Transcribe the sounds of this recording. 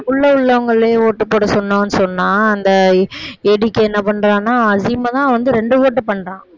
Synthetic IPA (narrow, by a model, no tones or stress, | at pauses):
ʊɭːɐʊɭːɐɐŋɡɐɭːeːoːʈːɯpːoːɽɐsɔnːõːɐnːɯsɔnːaːɐnd̪ɐ | ɛɽɪkːɯɛnːɐpɐɳːɾãːnːaːɐziːmɐt̪ãːʋɐnd̪ɯɾɛɳɖɯoːʈːɯpɐɳːɾãː